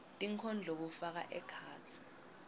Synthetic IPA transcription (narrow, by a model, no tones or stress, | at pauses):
tʼiŋkʰɔnd͡ɮʱok̬ufak̬a̰ʔɛkʰaːt͡sʰi̥